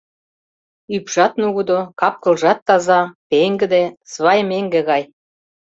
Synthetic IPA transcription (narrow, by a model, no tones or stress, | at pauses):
ypʒ̥ɑt̪nuɣud̪okɑp̚kɤ̆lʒɑt̪ːɑzɑpeŋɡɘ̆d̪esβɑjmeŋɡĕɣɑj